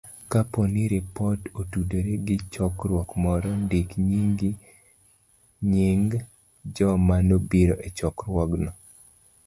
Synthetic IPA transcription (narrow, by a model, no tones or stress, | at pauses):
kaponiɾipɔtotudoɾeɡɪt͡ʃɔkɾwɔkmɔɾɔndikɲiŋɡi | ɲiŋɡ | d͡ʒɔmanobiɾoʔet͡ʃɔkɾwɔɡnɔ